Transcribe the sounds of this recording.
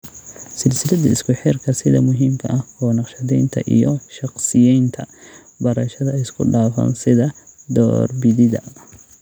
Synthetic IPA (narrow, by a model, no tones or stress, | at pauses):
sɪlsɪlɐd̪ɐɪskʰʊħɪrkʰɐsɪðɐ̰mʊɦiːmkʰɐʔɐhɔːnɑqʃɐðɛjnt̪ʰɐ̰ʔḭjɔʃɑqsɪjɛjnt̪ʰɐ | bɐɾɐʃɐðɐɪskʰʊɖaːfɐ̰ːnsɪðɐd̪ɔ̰ːrbɪðɪðɐ̰